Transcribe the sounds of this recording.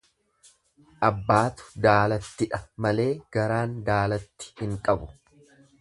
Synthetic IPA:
ʔɐbːaːt̪ʊ̥d̪aːlɐt̪ːɪᶑɐmɐle̞ːɡ̥ɐɾaːnd̪aːlɐt̪ːɪ̥hɪŋkʼɐbʊ

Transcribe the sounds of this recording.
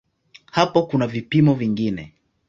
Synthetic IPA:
hapɔkunavipimɔviŋɡinɛ

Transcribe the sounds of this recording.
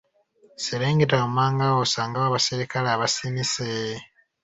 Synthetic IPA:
siɾeːŋɡetaumaːŋɡawosaːŋɡawaβasiɾikalaːβasinise

